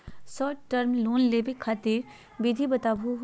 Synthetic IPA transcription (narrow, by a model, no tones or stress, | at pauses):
sɔːʈʈəɾmloːnleːbekʰːaːt̪iɾ | ʋid̪ʱibɐt̪aːbʱuɦ